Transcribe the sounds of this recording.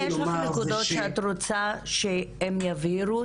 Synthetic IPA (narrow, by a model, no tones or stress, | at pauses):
jeʃlanekud̪o̞tʃeat̪ʁot͡saʃeemjaviɾu